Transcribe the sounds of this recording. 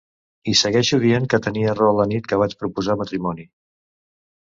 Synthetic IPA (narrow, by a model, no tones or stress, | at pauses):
isəɣɛʃuðieŋkət̪əniərɔlənit̪kəβ̞at͡ʃpɾupuzamət̪ɾimɔni